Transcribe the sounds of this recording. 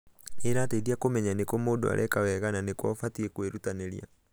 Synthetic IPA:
eɾaːteidiakomɛɲanekɔmoːdo̰a̰ɾʔɛkawɛɣananekwɔfatiekweɾutaneɾia̰

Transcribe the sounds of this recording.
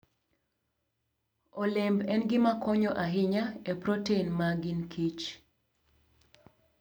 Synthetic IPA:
ɔlɪmbɛnɡɪmakʰɔɲɔʔaɦɪɲaepɾoteinmaɡinkʰit͡ʃ

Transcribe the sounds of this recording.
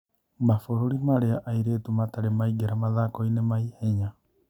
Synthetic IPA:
mafoɾoɾimaɾeaʔaiɾeːtumataɾemaiɡeɾamaðakɔinemaihɛɲa

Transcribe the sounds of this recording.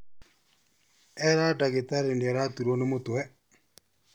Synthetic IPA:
ɛɾaɖaɡit̪aɾeniɛɾat̪uɾonemot̪wɛ

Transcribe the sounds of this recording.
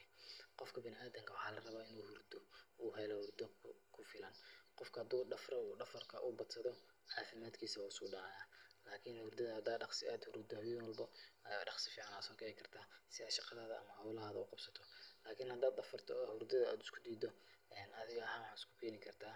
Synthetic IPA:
qɔfkʰɐbɪnɪʔaːd̪ɐŋkʰɐwɑħɑːlɐrɐβaːɪnuːhʊrd̪ɔuːɦɛjlɔhʊrd̪ɔkʰʊfɪlɐnqɔfkʰɐhɐd̪uːɖɐfrɐuːɖɐfɐrkʰɐʔʊbɐd̪sɐðɔ | ʕɑːfɪmaːd̪kʰiːsɐwaɪskʊɖɑːjaːlaːkʰɪnhʊrd̪ɐðɐhɐd̪aːɖɑχsɪaːd̪hʊɾʊd̪ɐβinwɔlbɔɐja̰ːɖɑχsɪfiːʕɑnaːsɔːkʰɛːɪkʰɐrt̪ʰaːsɪðaʃɑqɑðaːðɐʔɐ̰mɐhɐwlɐɦaːðɐʊqɑbsɐt̪ʰɔlaːkʰɪnhɐd̪aːd̪ɐfɐrt̪ʰɔhʊrd̪ɐðɐaːd̪ɪ̥skʰʊd̪iːd̪ɔ | ɛːnɐðɪɣɐɐhaːnwɑħɑːɪskʰʊ̥kʰɛːnɪkʰɐrt̪ʰaː

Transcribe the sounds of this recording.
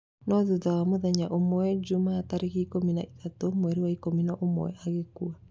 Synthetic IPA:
nɔðuðawamoðɛɲaʔomwɛd͡ʒumaːtaɾeɣiikominaitatomwɛɾiwaikominaʔomo̰ɛ̰aɣekua

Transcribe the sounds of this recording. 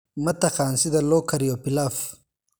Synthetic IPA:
mɐt̪ɐxaːnsid̪ɐloːkʰɐɾjopilaf

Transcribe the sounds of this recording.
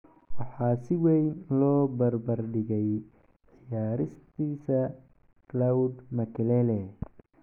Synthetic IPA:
wɑħɑːsɪwɛjnlɔːbɐrbɐrɖɪɣɛj | ʔɪjaːɾɪst̪ʰiːsɐ | klawd̪mɐkʰɛlɛlɛ

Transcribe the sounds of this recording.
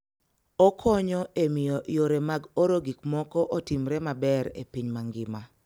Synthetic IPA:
ɔkʰɔɲɔʔemɪjɔʔjoɾemaɡoɾoɡik̚mɔkɔʔotimɾɛmabɛɾḛpiɲmaŋɡɪma

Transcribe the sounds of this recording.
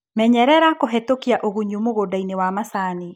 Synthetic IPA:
mɛɲɛɾɛɾakoɦetokiaʔoɣuɲumoɣodainewamasani

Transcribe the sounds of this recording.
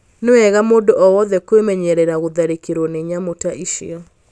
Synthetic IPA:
newɛɣamoːdoʔɔwɔðɛkwemɛɲɛɾɛɾaɣoðaɾekeɾwɔneɲamotaʔiʃḭɔ

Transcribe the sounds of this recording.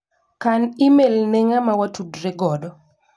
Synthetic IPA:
kanimelneŋamawatudɾeɡɔdɔ

